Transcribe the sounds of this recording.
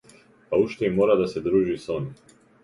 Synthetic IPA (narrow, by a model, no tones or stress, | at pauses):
pauʃt̪eimːoːɾad̪ase̞d̪ɾuːʒisoni